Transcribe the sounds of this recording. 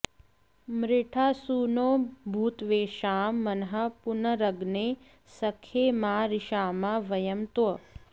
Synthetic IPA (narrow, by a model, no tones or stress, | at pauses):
mɾɪʈʰaːsuːnoːbʱuːt̪ʋeːʃaːmːɐnɐɦɐpunɐɾɐɡneː | sɐkʰːeːmaːɾɪʃaːmaʋɐjɐmt̪wɐ